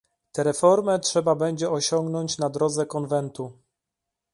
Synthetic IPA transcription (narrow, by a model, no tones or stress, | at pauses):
t̪ɛɾɛfɔɾmɛtʂɛbabɛɲd͡ʑɛɔɕɔŋɡnɔɲt͡ɕnad̪ɾɔd̪zɛkɔnvɛnt̪u